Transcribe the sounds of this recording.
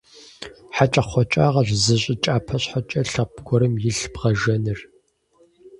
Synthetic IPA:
ħat͡ʃʼɐχʷɔt͡ʃʼaːʁɐʒzɨɕʼɪt͡ʃʼaːpʰɐɕħat͡ʃʼɐɬɐpɡʷɔɾɨmjɪɬbʁɐʒɐnɨr

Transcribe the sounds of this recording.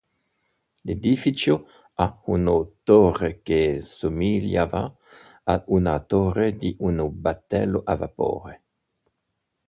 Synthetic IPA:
led̪ifit͡ʃo | aunot̪orekesomiljava̰ | aunat̪oɾed̪iʔunobat̪ːɛ̰lːoʔava̰po̰ːɾe

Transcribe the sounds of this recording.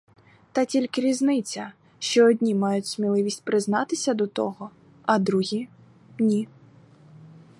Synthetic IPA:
t̪ɐtʲilʲkɪɾʲiznɪt͡sʲɐ | ʃt͡ʃɔːdʲnʲimɑjʊtʲsʲmʲilˠɪʋʲisʲtʲpɾɪznɑt̪ɪsʲɐd̪ɔt̪ɔ̰ɦɔ | ɐd̪ɾuɦʲi | nʲi

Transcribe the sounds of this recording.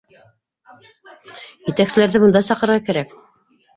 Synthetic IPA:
jɘ̆t̪æksɘ̆læɾðɘbɤ̆nd̪ɑsɑqɤ̆ɾʁɑkæɾæk

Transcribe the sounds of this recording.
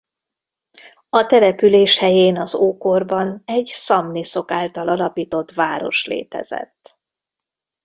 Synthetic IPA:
ɒt̪ɛlɛpyleːʃhɛjeːnɒzoːko̞rbɒnɛɟsɒmniso̞kaːlt̪ɒlɒlɒpiːt̪o̞t̪vaːɾo̞̰ʃlḛːt̪ɛ̰zɛ̰t̪ː

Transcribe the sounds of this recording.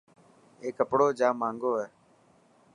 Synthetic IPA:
eːkːəpɽoːd͡ʒãːmãːŋɡoːɦɛː

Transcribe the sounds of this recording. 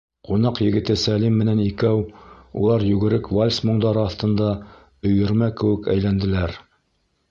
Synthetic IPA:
qunɑqjɘ̆ɡɘ̆t̪ɘsælimːɘ̆nænikæwṵlˠɑɾjʉɡɘ̆ɾɘkvolʲsmŏɴd̪ɑɾɤɑθt̪ɤ̆nd̪ɑ | ɵ̆jɘ̆ɾmækɘ̆wɘ̆kæ̰jlænd̪ɘ̆læɾ

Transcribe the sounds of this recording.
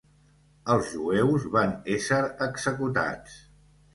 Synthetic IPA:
əlˠzʒuɛwzβanesəɾəɡz̥əkut̪a̰t͡s

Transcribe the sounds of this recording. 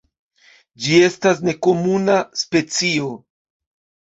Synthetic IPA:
d͡ʒie̞stas̬ne̞ko̞munaspe̞t͡sio̞

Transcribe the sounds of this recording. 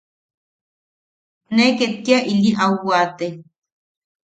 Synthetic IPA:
neket̪̚kiaʔiliʔawwat̪e

